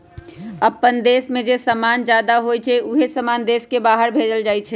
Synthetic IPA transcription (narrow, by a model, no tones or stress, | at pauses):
əpːənd̪eːsmẽd͡ʒesəmand͡ʒjaːd̪aɦojt͡ʃʰɛʔuɦesəmaːnd̪eːskebaːɦəɾbʱeːd͡ʒəld͡ʒaːjt͡ʃʰɛ